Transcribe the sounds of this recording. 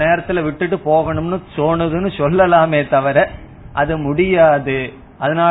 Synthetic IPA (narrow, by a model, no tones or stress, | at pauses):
neːɾɐt̪ːɪlɐʋɪʈːɯʈːɯpoːɣɐɳɯmnɯsoːnɐðɯnɯsɔlːɐlaːmeːt̪ɐʋɐɾɛ | ʔɐðɯmʊɽɪjaːðɯ | ʔɐðɐnaː